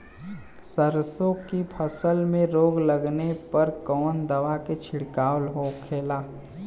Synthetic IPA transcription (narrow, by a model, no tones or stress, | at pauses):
səɾsõkipʰəsəlmẽɾoːɡləɡnepɐɾkɔːnd̪ɐʋaket͡ʃʰɪɽkaːwlɦoːkʰːeːlaː